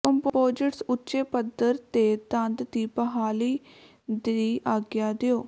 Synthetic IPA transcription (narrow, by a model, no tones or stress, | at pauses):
kəmppoːd͡ʒəʈsʊtːʃeːpəd̪əɾt̪eːd̪ə̃nd̪d̪iːpəɦaːliː | d̪iːʔaːɡɪjaːd̪eoː